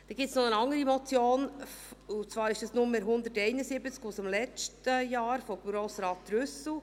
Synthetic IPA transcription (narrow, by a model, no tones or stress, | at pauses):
d̪̥ɛɡ̥ɪp̚t͡ssnɔənɑŋəɾimɔt͡sjoːnut͡svɑːɾɪʃɛsnʊməɦʊnd̪ətɛɪnəsɪbət͡skusɪmlɛt͡ʃtəjɑːɾfobɾoːsɾɑːt̚dɾʏsl̩